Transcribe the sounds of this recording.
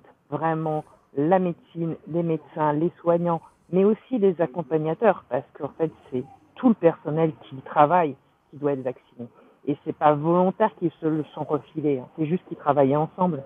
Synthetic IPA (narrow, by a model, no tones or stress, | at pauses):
t̪ | vʁɛmɑ̃ | lamet̪sinlemet̪sɛ̃leswaɲɑ̃ | mɛosilezakɔ̃paɲat̪œʁpaʁsə̥kəɑ̃fɛt̪sɛ | t̪ʰuləpɛʁsɔnɛlkʲʰit̪χavaj | kʲid̪waɛt̪vaksine | esɛpavɔlɔ̃t̪ɛʁkʲilsələsɔ̃ʁəfileɛ̃sɛʒyst̪̚kʲit̪χavajɑ̃sɑ̃bl